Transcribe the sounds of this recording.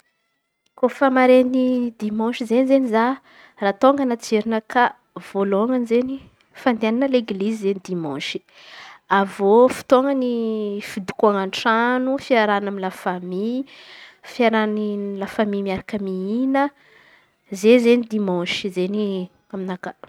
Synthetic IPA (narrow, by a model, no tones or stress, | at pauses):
kofamaɾenid̪imɑ̃ʃizenizeniza | rat̪oŋɡənat͡seɾinəka | v̥oloŋanizeni | fand̪eananəleɡlizizenid̪imɔ̃ʃi̥ | avofi̥t̪oŋɡənifid̪u̥kuaŋaɳʈ͡ʂanufiaɾanaminlafami | fiaɾanilafamimiaɾakəmiinə | zezenid̪imɔ̃ʃizeni | aminaka